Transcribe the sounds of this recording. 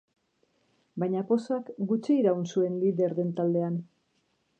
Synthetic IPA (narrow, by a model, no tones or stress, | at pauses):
bajɲapo̞soakɡut͡ʃiːɾaunsue̞nliðe̞ɾðe̞nt̪ald̪e̞an